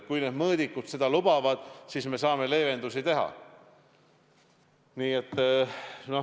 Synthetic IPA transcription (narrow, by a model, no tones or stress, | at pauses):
kujned̪mɤːd̪ikːˑut̪se̞d̪̥ɑlub̥ɑvɑd̪̥siːsme̞sɑːme̞le̞ːve̞nd̪usit̪e̞ɦɑ̰ | niːe̞t̪ːˑno̞